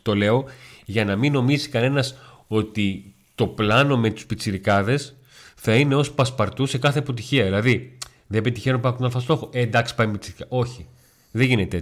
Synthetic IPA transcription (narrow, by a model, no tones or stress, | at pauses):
t̪o̞le̞o̞ʝɐnɐmino̞mizi̥kɐne̞nɐs | o̞t̪i | t̪o̞plɐno̞me̞t̪u̥spit͡siɾikɐðe̞s | θɐine̞o̞spɐspɐɾt̪usekɐθe̞ɐpo̞t̪̬içiɐðilɐði | ðebet̪içenopɐt̪nɐlfɐst̪o̞xoʔend̪ɐksi̥pɐjmepit͡siɾikɐʔo̞çi | ðeʝinet̪ee